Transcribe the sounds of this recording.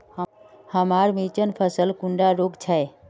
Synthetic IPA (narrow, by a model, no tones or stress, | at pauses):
həmaɾmit͡ʃənpʰəsəlkũɳɖaɾoɡt͡ʃʰəe